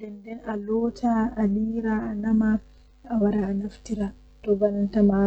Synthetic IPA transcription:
dɛndɛnʔalɔːtʰaaliːɾaanɐma | awaɾaanaftiɾa | tɔbanɐntama

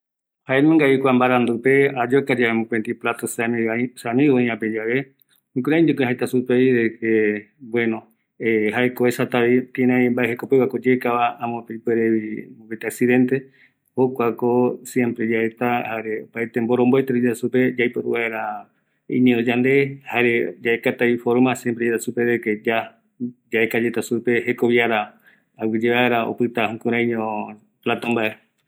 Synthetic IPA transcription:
haemẽŋɡaikʷambaɾand̪upead͡ʒokad͡ʒaβemũpent̪iplat̪osasamĩβaĩãped͡ʒaβe | ĩkuɾãĩd͡ʒekuɦaet̪asupeidekebwenõ | eɦaekoesat̪aβik̪inãĩmbaeɦekopeβakod͡ʒekaβaãmõpepeɾeβimõket̪eaksiðent̪e̞ | hokʷakosje̞mpɾe̞d͡ʒaet̪ahaɾeopajt̪embo̞ɾõ̞mboet̪eɾed͡ʒet̪asuped͡ʒajpoɾuβaeɾa | ḭ̃ɲẽnd̪od͡ʒand̪ehaɾed͡ʒaekat̪aifoɾmasjempɾed͡ʒet̪asupeeked͡ʒa | d͡ʒaekad͡ʒet̪asupe̞he̞koβiaɾaː | wid͡ʒeβaeɾao̰pɨt̪ahũkũɾ̃ãĩɲõ | plat̪ambae

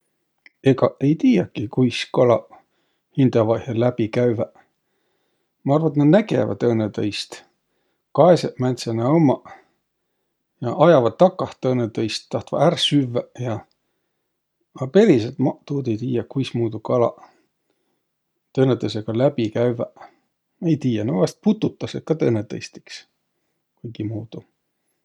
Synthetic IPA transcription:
eɡɑe̞jt̪iːjɑkːikujskɑlɑ | hind̪̥ɑvɑhjɑlæb̥ikæɥvæ | mɑɑrvɑt̪ned̪næɡḛvɑ̰d̪ɤnet̪ɤjst̪ | kɑeseʔmænt̪senɑomːɑ | jɑʔɑjɑvɑd̪̥̚ːɑkːɑht̪ːɤnet̪ɤjst̪ːɑht̪vɑ̰ærsyvːæjɑ | ɑpe̞ɾis̬et̪mɑt̪uːd̪ejt̪iːjɑkujsmuːd̪ukɑlɑ̰ | t̪ɤːnet̪ːɤs̬eɡ̥ɑlæbikæyvæ | ejt̪iːjɑnɑvɑst̪̚put̪ːut̪ˑːɑset̪̚kɑt̪ɤnːet̪ɤjst̪i̥ks | kujɡimuːd̪̥u

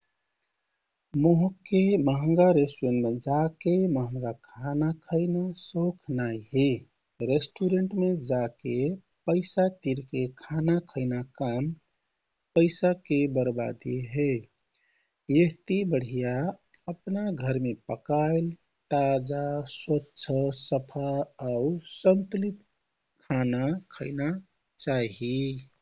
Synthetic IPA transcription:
moɦkːeməɦəŋɡaɾesʈenmed͡ʒakeməɦə̃ŋ̆ɡakʰanakʰəɪnasokʰnaiɦe | ɾesʈuɾeɳʈmed͡ʒake | pəɪsat̪iɾkekʰanakʰəɪnakam | pəɪsakebəɾba̰d̪iɦe | jeɦt̪ibəɽ̤ija | əpnaɡʱəɾmepəkaɪl | t̪ad͡ʒaswətːʃʰəsəpʰaausənt̪lit̪ | kʰanakʰəɪna | t͡ʃaɦi

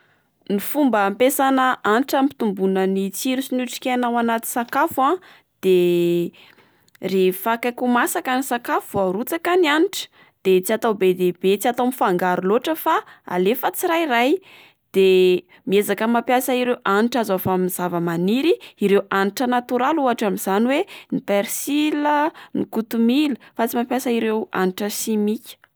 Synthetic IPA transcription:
nifumbəmpesanəaniʈ͡ʂampi̥t̪umbunənit͡siɾusinuʈ͡ʂi̥kʲeanawanat̪i̥sakafã | d̪̥e | refakakumasakanisakafuuaɾut͡sakanianiʈ͡ʂə̥ | d̪̥et͡siat̪awbed̪ebet͡siat̪awmifaŋɡaɾuloʈ͡ʂəfaa̰lefət͡siɾajraj | d̪̥e | miezakəmapjasəiɾewʔaniʈ͡ʂazafamiz̥avəmaniɾiiɾewʔaniʈ͡ʂənat̪uɾaluaʈ͡ʂamiz̥aniwenipeɾsilənikut̪umiləfat͡simapjasəiɾewa̰niʈ͡ʂəʃimikʲə̥

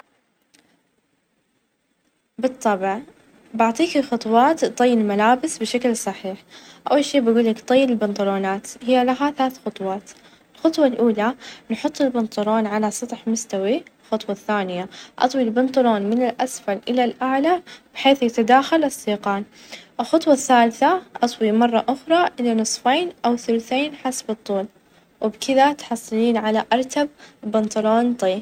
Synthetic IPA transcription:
bɨt̪ˤːɑbɪʕ | bɪʕt̪ˤiːkixɑt̪ˤwɑːt̪t̪ˤɑjːɪlmalaːbɪsbɪʃaklsˤɑħiːħʔa̰wːalʃiːbɪɡuːlːɪkt̪ˤɑjːɪlbɪnt̪ˤʊɾoːnaːt̪hɪjːalaɦaθlaːθxʊt̪ˤwɑːt̪ | ɪlxʊt̪ˤwɑlʔuːlanħʊt̪ˤːɪlbɪnt̪ˤʊɾoːnʕalasˤɑt̪ˤħmʊst̪awilxɑt̪ˤwɑθːaːnɪjaʔɑ̰t̪ˤwilbɪnt̪ˤʊloːnmɪnɪlʔasfalʔɪlalʔaʕlab̥ɪħeːθjat̪ad̪aːxalɪsˤːiːqɑːn | ʔɪlxɑt̪ˤwɑθːaːlθaʔɑt̪ˤwimɑrˤːɑʔʊxɾˤɑʔɪlːinɨsˤfeːnʔawθʊlθeːnħasbɨt̪ˤːuːl | wʔɪbkɪðat̪ħɑsˤːɨliːnʕalaʔɑɾˤt̪ab̚bɪnt̪ˤʊloːnt̪ˤiː

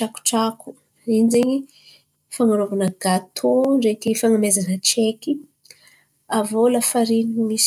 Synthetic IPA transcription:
aku̥ʈ͡ʂaku̥ | ind͡zeɲi | faŋaɾovanəɡat̪ʰoɖ͡ʐek̪ifaŋamezanət͡ʃeki | avolafaɾiniimis

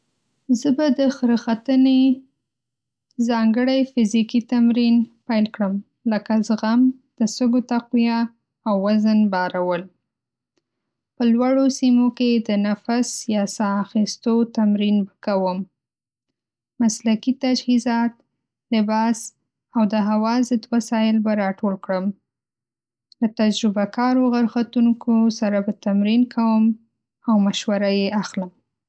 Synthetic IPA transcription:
zəbad̪əxəɾəxat̪əne | zɑŋɡəɽajfɪzikit̪amɾinpajlkɽəm | ləkazəɣamd̪̥əsəɡot̪aqwijɑ | awːazənbɑɾawəl | pəlwaɽosimoked̪ənafasjɑsɑːxist̪ot̪amɾinbakawəm | aslakit̪ad͡ʒhizɑt̪ | lɪbɑs | awd̪əɦawɑzəd̪wasɑjɪlbaɾɑʈolkɽəm | lət̪ad͡ʒɾɪbakʰɑɾoɣaɾxat̪uŋkʰosaɾabat̪amɾinkʰawəm | awmaʃwaɾajeʔaxləm

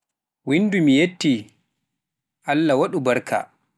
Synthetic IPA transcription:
windumijetːi | ʔalːawaɗubaɾkʰa̰

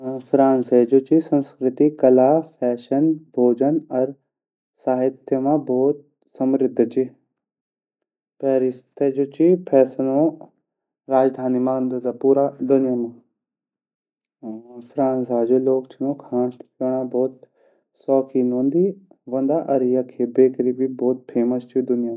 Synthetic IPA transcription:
fɾaːnsed͡ʒot͡ʃisə̃nskɾɪt̪ikɐlaːpʰɛːʃənbʱoːd͡ʒənɐɾ | saːɦɪt̪jəmãbʱɔːt̪̚ | sɐmɾɪd̪ʱːt͡ʃi | pɛːɾɪst̪ʰed͡ʒot͡ʃipʰɛːsənõ | ɾaːd͡ʒd̪ʱaːnimãnd̪d̪apuːɾad̪ʊnɪjamãː | fɾaːnsad͡ʒoloːkt͡ʃʰinõːkʰaːɳt̪kəɽ̃ãbɔːt̪̚ | sɔːkʰiːnõnd̪i | ʋɐ̃nd̪aʔɐɾijakʰeːbeːkɾiːbibɔːt̪̚pʰeːməst͡ʃʰid̪ʊnɪjaː

